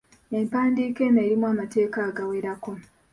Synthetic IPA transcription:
e̞mpaːndiːke̞ːnaeɾimwamate̞ːkaːɡaweɾako̞

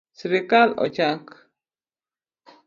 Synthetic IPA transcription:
sɾikalo̰t͡ʃak

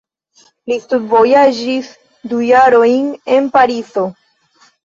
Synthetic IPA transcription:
list̪udvo̞jad͡ʒis | dujaɾo̞jne̞npaɾizo̞

